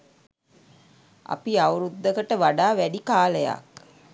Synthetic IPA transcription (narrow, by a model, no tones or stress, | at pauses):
a̰piawɾud̪ːəkəʈəʋaɖaːʋæɖikaːləja̰k